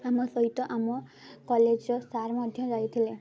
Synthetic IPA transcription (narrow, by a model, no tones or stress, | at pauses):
amɔsɔɦit̪ɔʔamɔkɔled͡ʒɔsaɾmɔd̪ʱjɔd͡ʒajt̪ʰile